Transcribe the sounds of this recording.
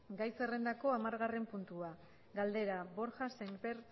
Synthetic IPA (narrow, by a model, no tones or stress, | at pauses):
ɡajse̞re̞nd̪ako̞amaɾɣare̞mpunt̪ua | ɡald̪e̞ɾabo̞ɾʝaseŋbeɾ